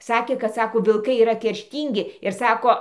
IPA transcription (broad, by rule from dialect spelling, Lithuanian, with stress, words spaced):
ˈsɑːkʲeː kɐt ˈsɑːkoː ʋʲɪlˠˈkɐɪ iːˈrɐ kʲɛrʲˈʃʲtʲiːŋʲɡʲɪ ɪr ˈsɑːkoː